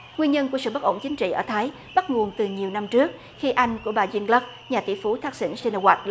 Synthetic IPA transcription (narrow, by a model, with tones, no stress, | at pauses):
ŋwi˧ənɲə˧nku˧˩əsɨ̰˧˨ɓə˦˥t̚ʔo̰˧˩ŋ͡mt͡ɕï˨˦ŋ̟t͡ɕḭ˧˨ʔə̰ː˧˩t̪ʰaː˨˦j | ɓa˦˥t̚ŋu˨˩ənt̪ɨ˨˩ɲi˨˩əwna˧mt͡ɕɨ˦˥ək̚ | xi˧ʔa˧jŋ̟ku˧˩əɓaː˨˩zi˧ənlə˦˥k̚ | ɲaː˨˩t̪ḭ˧˩fu˨˦t̪ʰaː˦˥k̚sḭ˧˥ŋsi˧nə˧wa˨˩t̚l